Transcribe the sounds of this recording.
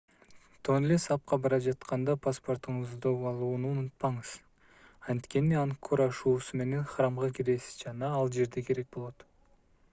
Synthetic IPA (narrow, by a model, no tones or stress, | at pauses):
t̪ʰo̞nlʲesɑp̚qɑbɑɾɑʒɑt̪qɑnd̪ɑpʰaspo̞rt̪əɴəzd̪oɑlˠunʊnʊt̪̚pɑɴəz̥ | ɑnt̪kʲe̞niɑŋkʰoɾɑʃuːsəme̞ne̞nχɑɾɑmʁɑkʲʰeɾe̞sɪ̥zd͡ʒɑnɑɑlˠʒe̞ɾd̪ekʲʰe̞ɾe̞k̚bo̞lˠot̪